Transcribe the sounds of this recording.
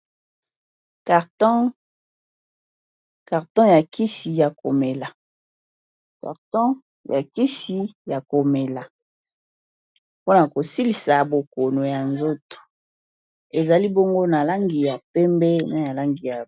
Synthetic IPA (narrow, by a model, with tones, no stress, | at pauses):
ka˨tɔ˦ | ka˨ʁtɔ̃˦ja˨ki˦si˨ja˨ko˨me˨la˨ | ka̰˨ʁtɔ̃˦ | ja˨ki˦si˦ja˨ko˨me˨la˨ | po˦na˨ko˨si˦li˨sa˨bo˨ko˨no˨ja˨nzo˦to̥˨ | e˨za˨li˦bo˦ŋɡo˦na˨la˦ŋɡi˨ja˨pɛ˦mbɛ˦na˨ja˨la˦ŋɡi˨ja˨